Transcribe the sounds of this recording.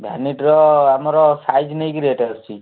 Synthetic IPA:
ɡʱaniʈɾɔamɔɾɔsajd͡ʒnəjkɾieʈaɾt͡ʃʰi

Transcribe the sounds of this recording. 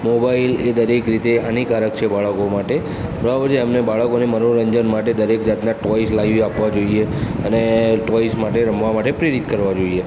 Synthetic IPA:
mobailed̪əɾekɾit̪eanikaɾəkt͡ʃʰebaɭəkomaʈe | bəɾabəd͡ʒeːmnebaɭəkoneməɾoɾəɲd͡ʒənmaʈed̪əɾekd͡ʒat̪naʈɔislaʋapʋad͡ʒoieəneʈɔismaʈeɾəmʋamaʈepɾeɾit̪kəɾʋad͡ʒoie

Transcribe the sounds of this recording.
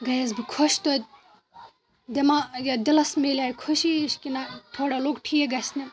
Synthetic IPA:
ɡɐjɐzbikʰoʃt̪ot̪̚ʲ | d̪emajad̪ilɐsmeliaːjkʰuʃiʃkinat̪ʰoːɽaloːkʈʰijeɡɐsni

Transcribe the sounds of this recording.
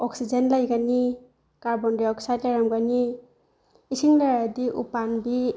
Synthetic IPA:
ɔksizenlajɡani | kaɾbɔndiɔksajtlaɾamɡaniː | siŋlaɾadiʔṵpanbi

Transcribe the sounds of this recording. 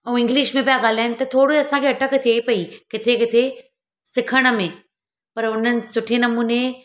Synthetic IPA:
ɛ̃ɪ̃ŋɡlɪʃmẽpijaɠaːl̤aːɪnɪ̆t̪ɐt̪ʰoːɽoiɐsãkʰeɐʈəkət̪ʰeipɐikɪt̪ʰekɪt̪ʰe | sɪkʰəɽ̃ə̆mẽ | pɐɾʊn̤ənɪ̆sʊʈʰenɐmuːne

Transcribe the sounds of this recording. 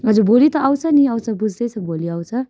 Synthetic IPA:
ɦʌd͡zubolit̪ʌawt͡sʰʌniawt͡sʰʌbud͡zd̪ʌjt͡sʰʌboliawt͡sʰʌ

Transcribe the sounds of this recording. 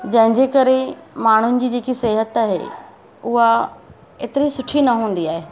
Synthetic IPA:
d͡ʑɐ̃ɦɪ̃ɲd͡ʑeːkɐɾemaːɽ̤ʊnɪ̆d͡ʑiːd͡ʑeːkiseːɦət̪aːɦḛ | ʊɦa | ḛːt̪ɪɾisʊʈʰinɐɦũːn̆d̪iaːɦeː

